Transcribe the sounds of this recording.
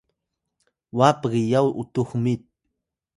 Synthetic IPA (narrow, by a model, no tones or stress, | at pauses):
wapɢɪjawʔʊt̪oχmɪt̪̚